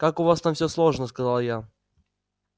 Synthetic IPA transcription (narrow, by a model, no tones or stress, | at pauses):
kakʊvast̪amfʲsʲɵslˠoʐnəskɐzalˠja